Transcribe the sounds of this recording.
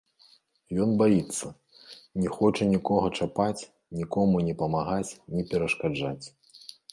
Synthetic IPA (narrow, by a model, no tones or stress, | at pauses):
jɔnbajit̪sːɐ | nʲɛxɔt͡ʂɐnʲikɔɣɐt͡ʂapat͡sʲ | nʲikɔmunʲɛpɐmaɣat͡sʲnʲɛpʲɛɾɐʂkad͡ʐat͡sʲ